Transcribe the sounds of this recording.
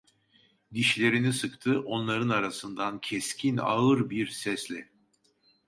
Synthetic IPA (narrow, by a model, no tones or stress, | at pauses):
d̪iʃlʲe̞ɾinisɯkt̪ʰɯʔo̞nlˠaɾɯnaɾasɯnd̪ancʰɛscʰina̰ɯɾbiɾsɛslʲɛ